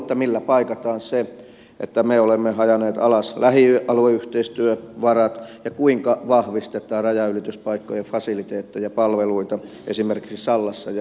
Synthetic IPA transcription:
t̪ːɑmilːæpɑikɑt̪ɑːnse | ʔḛt̪ːæmeolemːehɑjɑneːt̪ɑ̰lɑslæhiɑlueyht̪eist̪yøʋɑrɑt̪jɑkuiŋkɑʋɑhʋist̪et̪ˑɑːrrɑjɑylit̪yspɑikːojefɑsilit̪eːt̪ːejɑpɑlʋeluit̪ɑ | ʔḛsimerki̥ksisɑlːɑsːɑj

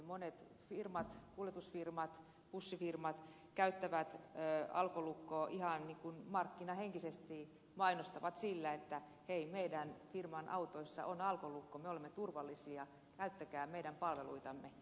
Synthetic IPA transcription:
monet̪ | firmɑt̪kuljet̪usfirmɑt̪ | pusːifirmɑt̪ | kæyt̪ːæʋæt̪øɑ̰lkolukːoːʔihɑnniːŋkunmɑrkːinɑheŋkisest̪i | mɑinost̪ɑʋɑt̪silːæet̪ːæ | heimeidænfirmɑnʔɑut̪oisːɑ̰ʔonɑlkolukːomeolemːet̪urʋɑlːisiɑ | kæyt̪ːækæːmeiɾæmpɑlʋelṵit̪ɑmːe

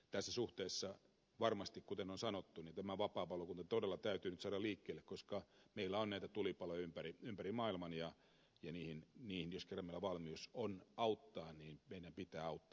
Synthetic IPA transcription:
t̪æsːæsuht̪eːsːɑ | ʋɑrmɑst̪ikkut̪enonsɑnot̪ːunint̪æmæʋɑpɑːpɑlokunt̪ɑt̪odelːɑt̪æyt̪yːnyt̪sɑːɾɑliːkːeːlːekkoskɑmeilːæonnæit̪æt̪ulipɑlojɑympæriympærimɑːilmɑnjɑ | jɑniːhinniːhinjoskerːɑmeilːæʋɑlmiusonɑut̪ːɑːniːnmeidæmpit̪æːɑut̪ːɑ̥ː

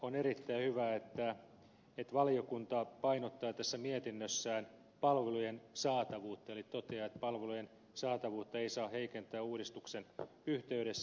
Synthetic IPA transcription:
oneɾit̪ːæihyʋæet̪ːæ | et̪ʋɑlio̞kunt̪ɑpɑinot̪ːɑːt̪æsːæmiet̪inːøsːæːn | pɑlʋelujensɑːt̪ɑʋuːt̪ːɑelit̪ot̪eɑet̪pɑlʋelujen | sɑːt̪ɑʋuːt̪ːɑeisɑːheikent̪æːuːɾist̪uksen | yht̪eyɾesː

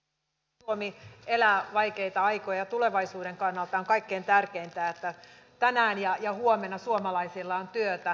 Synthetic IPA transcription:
omielæːʋɑikeit̪ɑɑikojɑt̪uleʋɑisuːdeŋkɑnːɑlt̪ɑoŋkɑikːeːnt̪ærkeint̪æːet̪ːæ | t̪ænæːnjɑjɑhuomenːɑsuomɑlɑisilːɑont̪yøt̪æ

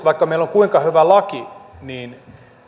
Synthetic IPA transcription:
ʋɑikːɑmeiloŋkuiŋkɑhyʋælɑkiniːn

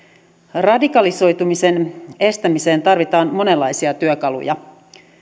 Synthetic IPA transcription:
rɑdikɑliso̞jt̪umise̞ne̞st̪æmise̞ːnt̪ɑrʋit̪ɑːnmo̞ne̞lːɑjsiɑt̪yøkɑlṵjɑ̰

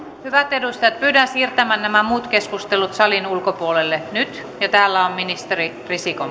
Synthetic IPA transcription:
hyʋæt̪edust̪ɑjɑt̪̚pyːdænsiːrt̪æmænnæmæmuːt̪keskust̪elut̪sɑlinulkopuolelːenyt̪ | jɑt̪æːlːæomminist̪eri | risiko

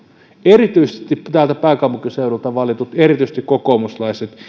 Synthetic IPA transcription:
erit̪yisest̪ipt̪æːlt̪æpæˑikɑmpukiseˑulult̪ɑʋɑlit̪ut̪erit̪yisĕ̥st̪ikkokomuslɑˑiset̪

